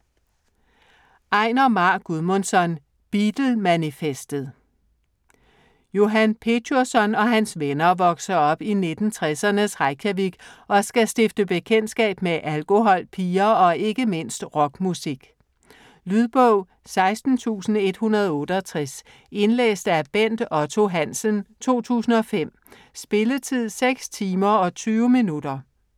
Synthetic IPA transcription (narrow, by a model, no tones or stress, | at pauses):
ʔɑ̈ɪnɐmɑ̈ːɡ̥uðˠmonsɒ̽n | b̥id̥l̩ˠmænifesd̥əð̩ˠ | jo̝ɦænpʰe̝dʰosɒ̽nɒ̽ɦænsʋenɐʋɒ̽ɡ̥sɐɒ̽b̥ine̝d̥n̩t͡sʰʁɛsɐnəsʁɑɪkʰæʋiɡ̥ɒ̽sɡ̥æsd̥e̝fd̥əb̥e̝kʰen̰d̥sɡ̥ɛ̰ːb̥meʔælɡ̥o̝ɦɒ̽l̰pʰiːɐɒ̽e̝ɡ̥əme̝n̰sd̥ʁɒ̽ɡ̥musiɡ̥ | lyðˠb̥ɔʊ̰ | sɑ̈ɪsd̥n̩t͡sʰṵːsn̩e̝d̥hunɐð̞ˠɔ̽ːɾ̥əɒt͡sʰʁɛs | e̝nlḛːsd̥æb̥en̰d̥ɒ̽t͡sʰo̝ɦæn̰sənt͡sʰo̝̰ːt͡sʰṵːsn̩ɒ̽fem̰ | sb̥e̝lət͡sʰið̰ˠseɡ̥st͡sʰiːmɐɒ̽t͡sʰyːʊminud̥ɐ